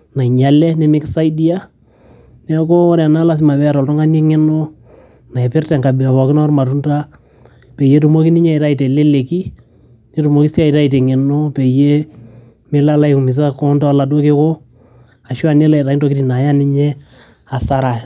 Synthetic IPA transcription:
na˨i˨ɲa˨lɛ˦nɛ˦mɪ˦ksa˦idi˦a˦ | nɛ˦ko˦ɔ˦ɾɛ˨a˨na˦la˦s̬i˦ma˨bɛ˦˨ɾɔ˨ltɔ˦ŋa˦ne˦ŋɛ˦no˦ | na˨ɛ˨pɪ˦rtɛ˨ŋka˨bi˨a˨wɔ˨kɪ˦na˦rma˨tu˦nta˦ | pe˨je˦tu˨mo˦ki˦ni˦ɲa˦i˨ɾa˦i˨tɛ˨le˦le˨ki˦ | ne˦tu˨mo˨ki˦si˦a˦˨i˨ta˦i˨t̬ɛ˨ŋɪ˨no˦pe˨je˦ | mɪ˦la˦la˦iku˨mɪ˨s̬a˦kɔ˦nta˦la˨do˦ke˦ko˦ | a˨ʃu˦a˨ne˦la˨i˨ɾa˨i˦nto˨ki˦ti˨na˨ja˦nɪ˦ɲɛ˦ | a˨sa˦ɾa˨

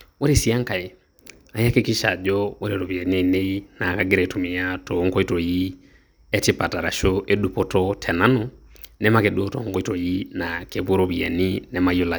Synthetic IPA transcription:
wo˦ɾe˦˨si˦a˦ŋka˨e˨ | a˨ja˦ke˦ki˦ʃa˨d͡ʒɔ˦wo˦ɾe˨ɾo˨βi˨a˨ne˨ne˦i˦na˨kaɡe˦ɾa˨tu˨mi˨ja˦tɔ˨ŋkɔ˦i˦tɔ˨ji˦ | ɛ˦ti˦pa˨ta˨ɾa˨ʃoʔedu˨pɔ˦tɔ˦tʰɛ˨na˦nɔ | nɛ˦ma˦ke˨do˦tɔ˨ŋɡɔ˦itɔ˨ji˦nake˨βo˦ɾo˦βi˨a˨ni˦nɛ˨ma˦i˦o˦la˨

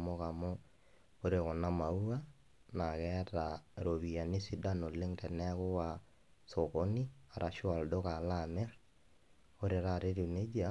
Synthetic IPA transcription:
mo˦ka˨mɔ˦ | o˦ɾe˨kɔ˨na˦ma˨u˦a˦ | na˨kɛ˦ta˨ɾo˨βi˨ja˨ni˦si˦da˦no˨le˦ŋtɛ˨nɛ˦kʊ˦wa˨ | so˨ko˦ni˦a˨ɾʔa˨ʃʊ˦a˨ldo˦ka˨la˦˨mɛ˦ɾ | o˦ɾe˨ɾa˦˨ɾe˦ɾu˨ne˦d͡ʒa˨˦

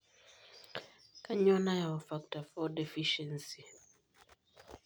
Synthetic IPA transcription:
ka˦ɲɔ˦na˦ja˨ɔ˨fa˦k̚ta˨fɔ˦dɛ˨fiʃɛ˨nsi˨

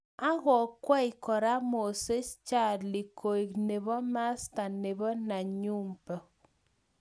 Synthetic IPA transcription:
a˦ɣɔ˨kwa˦i˨kɔ˨ɾa˦mo˨se˦st͡ʃa˦˨li˨kʰo˨i˨kne˨βɔ˦ma˦sta˨ne˨βɔ˦na˨ɲu˦mpɔ˨

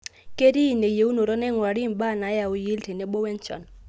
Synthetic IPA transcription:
kʼe˦ɾi˦˨nɛ˨je˨˦u˦nɔ˨ɾɔ˦nɛ˦ŋwa˨ɾi˦˨m˨ba˦˨na˨˦ja˨u˨ji˦ltʰɛ˨nɛ˨˦ɓɔ˦wɛ˦nt͡ʃʰɔ̰˨n

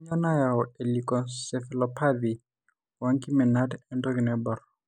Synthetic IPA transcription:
ɲɔ˦na˦ja˨ɔe˨likɔ˨sɛ˨fɪlɔpa˦di | wa˦ŋki˦mɛ˨na˦tɛ˦ndɔ˦ɡɪ˨nɛbɔ˨r

